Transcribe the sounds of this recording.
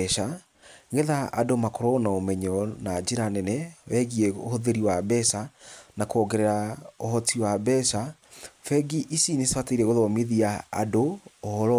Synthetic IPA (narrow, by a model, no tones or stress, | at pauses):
ɛʃa | ŋɡeða̰ːdomakɔɾɔnaomɛɲɔnad͡ʒeɾanɛnɛwɛɣiɛohoðeɾiwabɛsanakɔɡɛɾɛɾaohɔtiwabɛsa | fɛɡiʔisineswataiɾɛɣoðɔmeðiaa̰doohɔɾɔ